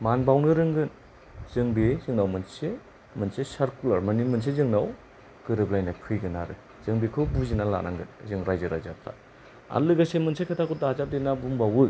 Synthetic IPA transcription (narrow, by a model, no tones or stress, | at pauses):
manbawnɯɾɯŋɡɯn | z̥ɯŋbezɯŋnawmɯnse | mɯnsesaɾkulaɾmanimɯns̬ezɯŋnaw | ɡɯɾɯblajnakʰɯjɡɯnaɾɯ̰ | z̥ɯŋbikʰɯbuzinala̰nʔa̰ŋɡɯnzɯŋɾajzɯɾa̰jza̰p̚tʰa̰ | a̰lɯɡasemɯnsʰekʰatʰakʰɔdaazap̚denabumbawɯ